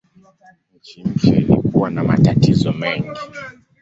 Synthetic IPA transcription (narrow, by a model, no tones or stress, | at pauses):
ɲ̩t͡ʃim̩t͡ʃɛlḭkuwanamatatizɔmɛŋɡi